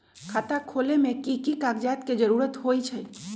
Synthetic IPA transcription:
kʰaːt̪akʰoːlemẽkikikaɡd͡ʒaːt̪ked͡ʒəɾuːɾət̪ɦoit͡ʃʰɛ

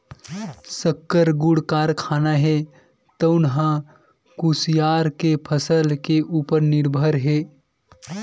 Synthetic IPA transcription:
səkːəɾɡuɽkaːɾkʰaːnaɦe | t̪əʊnɦã | kusjaːɾkepʰəsəlkeʔuːpəɾnɪɾbʱəɾɦeː

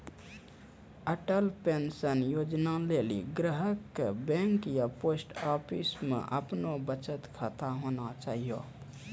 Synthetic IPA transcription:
əʈəlpensənjod͡ʒnalelḭɡɾəɦəkːebẽŋkjaposʈɔpʰismḛʔəpnobət͡ʃət̪kʰat̪aɦonat͡ʃaːɦijo

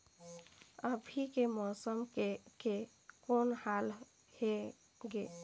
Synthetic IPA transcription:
əbʱikemɔsəmke | konhal | he | ɡe

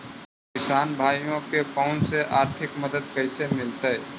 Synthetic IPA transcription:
kɪsaːnbʱaːjjõkepaːʊnseʔaːɾt̪ʰɪkməd̪əd̪̚kəɪsemɪlt̪əɛ

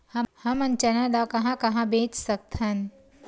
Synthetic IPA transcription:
hɐhɐmɐ̃nt͡ʃənãlakɐɦãkɐɦãbeːt͡ʃsɐk̚t̪ʰɦən

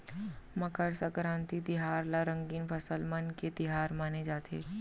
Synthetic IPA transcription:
məkəɾsəkɾãːnt̪it̪ɪɦaːɾlaɾə̃ŋɡiːnpʰəsəlmənket̪ɪɦaːɾmaːned͡ʒaːt̪ʰḛː

